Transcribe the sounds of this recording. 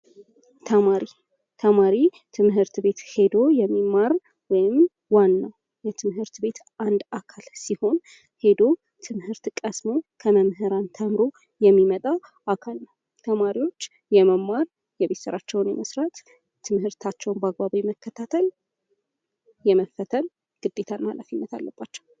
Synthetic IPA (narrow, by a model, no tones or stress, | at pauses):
t̪ʰəmaɾi | t̪ʰəmaɾi | t̪ʰɨmhɨɾt̪be̞t̪he̞d̪o̞jɛmːimːaɾ | wɔjɪm | wanːaw | jɛt̪ʰɨmhɨɾt̪be̞t̪ | and̪akʰalsiho̞n | he̞d̪o̞ | t̪ʰɨmhɨɾt̪kʼəsmo̞kʰəməmɦɨɾant̪ʰəmɨɾo̞ | jɛmːimət̪ʼa | akʰalnəw | t̪ʰəmaɾiwo̞t͡ʃː | jɛməmːaɾ | jɛβet̪səɾat͡ʃːɛwnjɛ̰məsɾat̪ | t̪ʰːɨmhɨɾt̪ʰat͡ʃːɛwnbaɡbaβijɛməkːət̪ʰat̪ʰəl | jɛməfət̪ʰən | ɡ̥ɨd̪ːe̞t̪ʰanala̰finːət̪ʰalːəb̥ːat͡ʃːɛ̥w